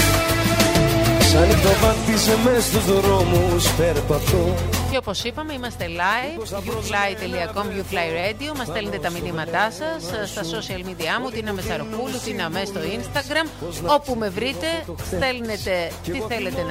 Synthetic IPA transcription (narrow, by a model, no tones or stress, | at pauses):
sɐnit̪ovɐnt̪isemest̪uðoɾomuspeɾpɐft̪oceopo̞sipɐme̞imɐst̪e̞lɐjvjuflɐjt̪e̞liɐko̞mʝuflɐjɾed̪io̞mɐst̪elnet̪et̪ɐminimɐt̪ɐsɐsːt̪ɐso̞siɐlmid̪iɐmut̪inɐmesɐɾo̞pulut̪ineɐme̞st̪o̞inst̪ɐɡɾɐmo̞pume̞vɾit̪e̞st̪e̞lne̞t̪e̞t̪iθe̞le̞t̪en